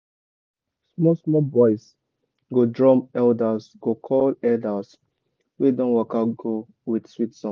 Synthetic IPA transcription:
smɔsmɔbɔɪs | ɡodɹɔ̃mɛldasɡ̥okʰɔlɛldas | wedɔ̃nwɔkaɡo | widswitsɔ̃n

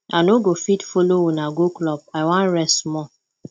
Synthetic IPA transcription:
anoɡofitfolowunaɡoklɔp̚aɪwãnɹɛstmɔ

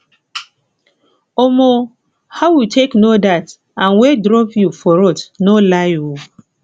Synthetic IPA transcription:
omo | haʊwitʰeknodat | ãnwedɾɔpjufɔɾɔtnolaɪo

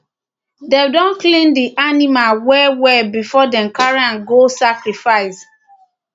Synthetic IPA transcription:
dedɔ̃nklĩndiʔanimalwɛwɛbifɔdɛ̃nkaɹãnɡosakɾifaɪs

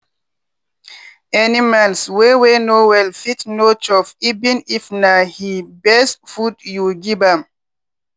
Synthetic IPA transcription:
ɛnimanswewenowɛlfitnot͡ʃɔfibĩnifnahibɛsfudjuɡibam

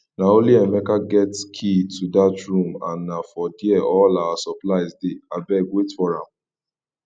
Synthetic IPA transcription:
nãoliɛmɛ̃kaɡɛtkʰitʰudatɾũma̰nãfɔdiɛɔlawasɔplajzdeabɛɡwetfɔɾãm

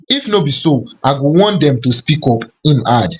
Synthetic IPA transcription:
ifnobisoʔaɡowɔ̃ndɛ̃mtuspikɔpĩnad

